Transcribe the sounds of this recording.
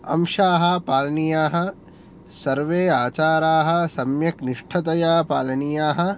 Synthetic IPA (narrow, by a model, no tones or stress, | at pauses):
ɐ̰mʃaːɦɐ̆paːlɐnijaːɦɐ̆ | sɐɾʋeːaːt͡ʃaːɾaːɦɐ̆sɐmjɐkniʂʈʰɐt̪ɐjaːpaːlɐnijaːɦɐ̆